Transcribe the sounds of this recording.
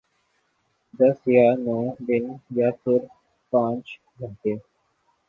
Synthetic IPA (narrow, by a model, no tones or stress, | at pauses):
d̪əsjaːnoːd̪ɪnjaːpʰɪɾ | pãːt͡ʃ | ɡʱət̪eː